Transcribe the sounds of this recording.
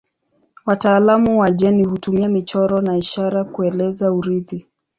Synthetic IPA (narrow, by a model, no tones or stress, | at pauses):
wataːlamuwaʄɛnihutumiamit͡ʃɔɾɔnaiʃaɾakuɛlɛzauɾiði